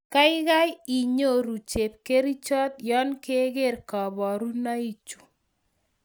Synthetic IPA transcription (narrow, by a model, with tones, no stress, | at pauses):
ka˦ɪ˦ɣa˦ji˨ɲo˦ɾu˨t͡ʃe˨p̚ke˦ɾi˦t͡ʃɔ˦t̪̚jɔ˦nke˦ɣe˦ɾka˨bɔ˨ɾu˦na˦i˦t͡ʃu̥˨